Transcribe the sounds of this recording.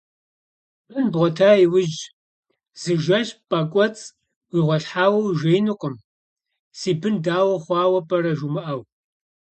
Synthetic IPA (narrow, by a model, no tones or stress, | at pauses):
bɨnbʁʷɔtʰaːiwʊd͡ʒ | z̥ɨʒɐɕpʼaːkʷʼɔt͡sʼ | wiʁʷɔɬħaːwɐwʒʷeːjnɨqʷʼɔm | siːbɨndaːwɐχʷɑːwɐpʼɐrɐʒumɨʔɐw